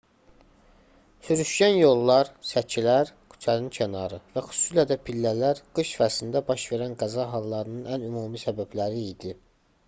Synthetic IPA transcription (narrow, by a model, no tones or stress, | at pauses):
syɾyʃɟænjo̞lˠːɑɾsæt͡ʃʰilæɾkʰy̥t͡ʃʰænincʰenɑɾɯvæxy̥su̥ilæd̪æpʰilːælæɾɡ̥ɯʃfæsind̪æbɑʃve̞ɾænɡæzɑɦɑlˠːɑɾɯnɯnænymuːmisæbæblæɾiid̪̥i